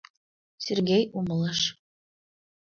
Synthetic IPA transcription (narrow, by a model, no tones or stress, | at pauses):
sʲerɡʲejumɤ̆lˠɤʃ